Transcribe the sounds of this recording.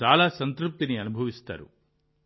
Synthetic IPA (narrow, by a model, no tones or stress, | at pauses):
aːlaːsɐnt̪ɾup̚t̪iniɐnubʱɐʋist̪a̰ːɾṵ